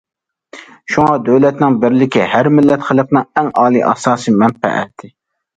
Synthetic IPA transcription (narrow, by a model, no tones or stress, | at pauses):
ʃuŋɑd̪øwlɛt̪nɪŋbɪɾlɪkʲihæɾmɪlːɛt̪χəlˠɨqnɨŋɛŋɑːlˠḭːʔɑ̰sɑːsimɛnpɛ̰ʔɛ̰t̪ʰːɪ